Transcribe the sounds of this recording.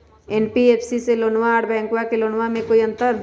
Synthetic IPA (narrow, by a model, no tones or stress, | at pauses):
ɛːnpieːpʰsiseloːnʋaːɽbɛ̃ːŋkwakeloːnʋamẽkoːiɐ̃nt̪əɾ